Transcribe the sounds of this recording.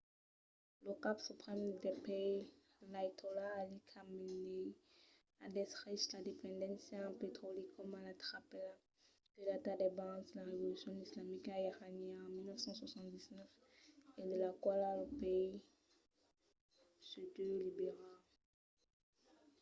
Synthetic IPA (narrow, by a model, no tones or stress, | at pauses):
ləkapsypχɛmd̪ɛpei | lait̪ʰolaːlikʰamene | ad̪ɛsislad̪epɛ̃d̪ɑ̃nsjɑ̃pet̪χolekʰɔmalat̪χapɛla | d̪̥əlat̪ad̪ɛbɑ̃zlaʁevɔlysjɔ̃islamikajaʁaniɑ̃milnəfsɑ̃swasɑ̃t̪d̪iznœf | ed̪əlakwalaləpei | syd̪ølibeʁal